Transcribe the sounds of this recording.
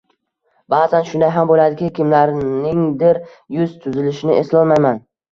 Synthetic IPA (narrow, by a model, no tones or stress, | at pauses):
baːzanʃʊnd̪ajɦambolad̪ɪkʲakʲɪmlaɾnɪŋd̪ɪɾ | jʊz̥t̪ʰʊzɪlɪʃɪnɪʔeslɒlˠmajman